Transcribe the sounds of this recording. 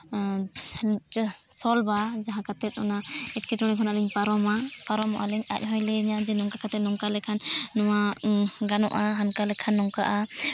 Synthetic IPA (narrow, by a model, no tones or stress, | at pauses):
sɔlbad͡ʒaɦãkat̪ɛt̪̚ˀɔnaɛʈkɛʈɔɽ̃ɛkʰɔnalɛɲpaɾɔmapaɾɔmɔ̰ʔalɛɲa̰c̚ɦɔjlɛiɲad͡ʒɛnɔŋkakat̪ɛt̪̚nɔŋkalɛkʰanːɔwaɡanɔʔaɦankalɛkʰanːɔŋka̰ʔa